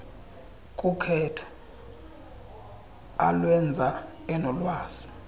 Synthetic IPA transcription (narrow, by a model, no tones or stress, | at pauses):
kʼukʰɛtʰɔ̥ | alwɛnd͡zʱa | ɛnɔlwaːsi̥